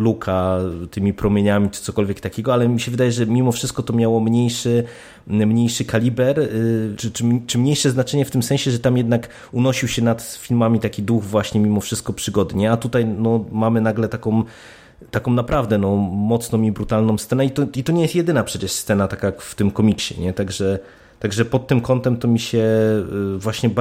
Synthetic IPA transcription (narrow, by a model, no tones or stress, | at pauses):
lukʰat̪ɘmʲipɾɔmʲjeɲamʲit͡ʂɘ̥t̪sɔkɔlvʲjɛkt̪akʲeɛɡɔalɛmʲiɕɛvɘd̪ajɛʐɛmʲimɔfʂɘst̪̚kɔt̪ɔmʲjawɔmɲejʂɘ | mɲejʂɘkalʲibɛɾt͡ʂɘt͡ʂɘmt͡ʂɘmɲejʂɛznat͡ʂɛɲɛft̪ɘmsɛ̃ɕɛʐɛt̪amjɛd̪nak | unɔɕiwɕɛnat̪fʲilmamʲit̪akʲid̪uxvwaɕɲɛmʲimɔfʂɘst̪̚kɔpʂɘɡɔd̪ɲɛat̪ut̪ajnɔmamɘnaɡlɛt̪akɔ̃m | t̪akɔ̃w̃napɾʔavd̪ɛnɔmɔt̪snɔ̃mibɾut̪alnɔ̃w̃ssɛnɛit̪ɔit̪ɔɲɛjɛst̪jɛd̪ɘnapʂɛt͡ɕɛʂst̪sɛnat̪akajkft̪ɘmkɔmʲikɕɛ̰ɲɛt̪aɡʐɛ | t̪aɡʐɛpɔt̪̚ːɘmkɔnt̪ɛmt̪ɔmʲiɕɛ | vwaɕɲɛb